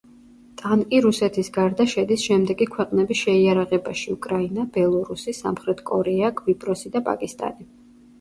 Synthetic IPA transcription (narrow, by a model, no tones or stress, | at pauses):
t̪ʼankʼiɾusɛt̪ʰisɡaɾd̪aʃɛd̪isʃɛmd̪ɛɡikʰwɛqʼnɛbisʃɛiaɾaʁɛbaʃiukʼɾainabɛlˠɔɾusisa̰mχɾɛt̪ʰkʼɔɾɛaɡvipʼɾɔsid̪apʼa̰kʼist̪ʼa̰ni